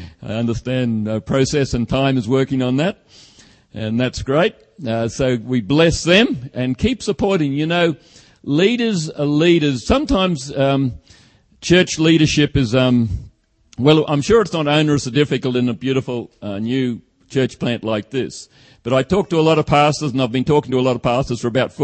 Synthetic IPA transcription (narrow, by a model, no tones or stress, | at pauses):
a̰ɪʌ̃ndə˞stæ̃npʰɹ̥oʊsɛsɨ̃ntʰãɪ̃mɨzwɜ˞kɪ̃ŋə̃nðæt̚ | ʔɨ̃nðætsɡ̥ɹeɪt̚ | ʌsoʊwiblɛsðɨ̃mɨ̃nkʰipsəpʰɔɹɾɪ̃ŋjɨnoʊ | liɾə˞zəliɾə˞z̥sʌ̃mtʰãɪ̃mz̥ʌ | t͡ʃʰɜ˞t͡ʃliɾə˞ʃɪpɨzʌ̃m | wɛlˠã̰ɪ̃mʃʊɹɨtsnəɾõʊ̃nə˞ɨsɨdɪfɨkl̩ˠtɨ̃nəbjʉɾəfl̩ˠʌnjʉ | t͡ʃʰɜ˞t͡ʃpʰl̥æ̃nʔlaɪk̚ðɪs | b̥ʌɾaɪtʰɔk̚təəlɔɾʌv̥pʰæstə˞zə̃naɪvbɨ̃ntʰɔkɪ̃ŋtəlɔɾʌv̥pʰæstə˞z̥fə˞əbaʊtf